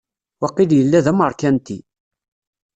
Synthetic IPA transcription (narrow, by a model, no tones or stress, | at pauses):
wɑqːiljəlːæðæməɾˤkænt̪i